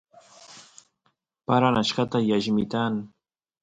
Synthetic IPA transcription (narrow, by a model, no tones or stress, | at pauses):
paɾanaʃɢɑt̪ajaʒmɪt̪an